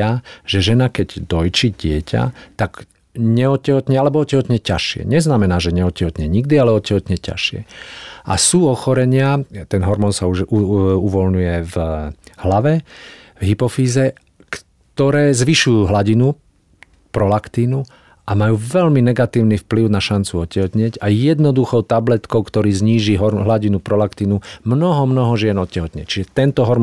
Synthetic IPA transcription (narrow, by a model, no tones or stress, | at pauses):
aʒ̥ɛʒɛnakɛɟd̪ɔjt͡ʃiɟɪɛca̰t̪aɡ | ɲɛɔcːɛɦɔt̪ɲɛalɛbɔɔcɛɦɔt̪ɲɛcaʃɪɛ̰ɲɛznamɛnaːʒɛɲɛɔcɛɦɔt̪ɲɛɲiɡd̪ialɛɔcɛɦɔt̪ɲɛca̰ʃɪɛ̰a̰suːɔxɔɾɛɲɪat̪ɛnɦɔɾmɔːnsauuʋɔlɲujɛvhlaʋɛ | vɦipɔfiːzɛ | k | t̪ɔɾɛːzʋiʃujuːɦlaɟinu | pɾɔlakt̪iːnu | ʔamajuːʋɛlminɛɡat̪iːʊnifpliʊnaʃant͡suɔcːɛɦɔt̪ɲɪɛɟajɛd̪nɔd̪uxɔʊt̪ablɛt̪kɔʊkt̪ɔɾiːzɲiːʒiɦɔɦlaɟinupɾɔlakt̪iːnumnɔɦɔmnɔɦɔʒɪɛnɔt̪cɛɦɔt̪ɲɛt͡ʃiʒɛt̪ɛnt̪ɔɦɔɾm